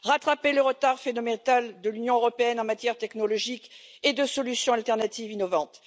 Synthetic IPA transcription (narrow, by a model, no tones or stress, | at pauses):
ʁat̪χapeləʁət̪aʁfenɔmɑ̃t̪ald̪əlynjɔ̃øʁɔpeɛnɑ̃mat̪jɛʁt̪ɛknɔlɔʒiked̪əsɔlysjɔ̃alt̪ɛʁnat̪ivinɔvɑ̃t̪